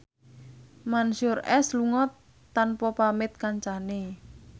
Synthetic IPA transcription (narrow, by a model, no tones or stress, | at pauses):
manʃʊrɛsluŋɔt̪ː | anpɔpamɪt̪̚kaɲt͡ʃane